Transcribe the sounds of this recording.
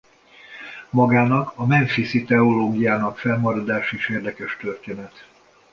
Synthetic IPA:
mɒɡaːnɒkɒmɛɱfisit̪ɛoloːɡijaːnɒkfɛlmɒɾɒd̪aːʃeːʃeːrd̪ɛkɛʃt̪ørt̪eːnɛt̪

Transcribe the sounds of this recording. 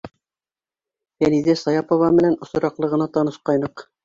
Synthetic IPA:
jænizæsɑjɑpŏvɑmɘ̆nænŏsŏɾɑqlˠɤ̆ʁɤ̆nɑt̪ɑnɤ̆ʃqɑjnɤq

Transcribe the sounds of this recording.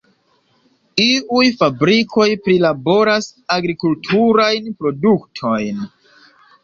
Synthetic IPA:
iujfabɾikʰo̞jpɾilabo̞ɾasaɡɾikultʰuɾajnpɾo̞duktʰo̞jn

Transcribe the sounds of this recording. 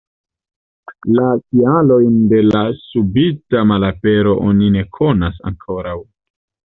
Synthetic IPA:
lakialo̞jnde̞lasubitamalape̞ɾo̞ʔonine̞kʰo̞nasa̰ŋkʰo̞ɾaw

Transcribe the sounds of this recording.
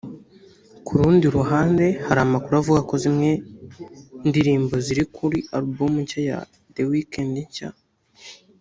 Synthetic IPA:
kʰuɾuːndiɾuɦaːnde̞haɾaːmakuɾavuɡako̞zimŋe̞ | ndiɾiːmbo̞ziɾikʰuɾiaɾubomuɲcaja̰ | dewikendiɲca

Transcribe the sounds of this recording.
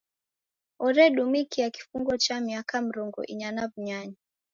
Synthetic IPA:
ɔɾɛɗumikijaki̥fuŋɡɔt͡ʃamiakam̩ɾɔŋɡɔ̰ʔḭɲanavuɲaɲa

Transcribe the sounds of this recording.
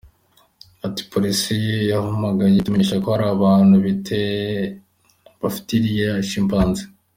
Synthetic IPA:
ati̥pʰo̞ɾisijejahamaɡajetumeɲeʃako̞haɾaːβaːnhuβite | βafi̥tiɾijeʃiːmpaːnze̥

